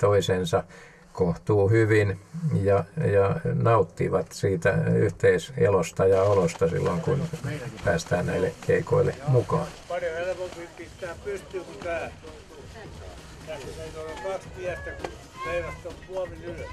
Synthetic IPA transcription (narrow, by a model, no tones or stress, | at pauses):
t̪oisensɑ | koht̪uːhyʋinjɑjɑnɑut̪ːiʋɑt̪siːt̪æ̰y̰ht̪eisḛlost̪ɑjɑolost̪ɑsḭlːoŋkunpæːst̪æːnnæilːekeiko̰ilːemukɑːnpɑrjoelkompiːmpit̪ːæːpyst̪ypːæː | ookɑkspiæst̪æku | ʋeiræt̪ːompuɑminyl